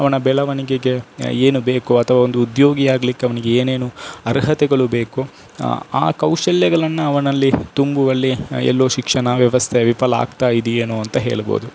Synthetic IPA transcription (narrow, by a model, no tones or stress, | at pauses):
ɐʋɐnɐbɛlɐʋɐniɡeɡe̞eːnube̞ːkuɐt̪ʰɐʋaːond̪uːd̪jo̞ːɡiaːɡɐlikːeɐʋɐniɡe̞eːneːnuɐɾɦɐt̪ɛɡɐɭube̞ːku | a̰ːkɐwʂɐljɐɡɐɭɐnːuɐʋɐnɐlːit̪umbuʋɐlːiɛ̰lːoːʃikʂɐɳɐʋjɐʋɐst̪ʰeʋipɐlɐa̰ːɡt̪aːjid̪ieːnoːɐnt̪ɐɦe̞̰ːɭbo̰ːd̪u